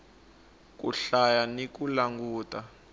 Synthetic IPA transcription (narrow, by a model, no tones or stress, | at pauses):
k̬ʼṵɬajanikulaŋɡuːta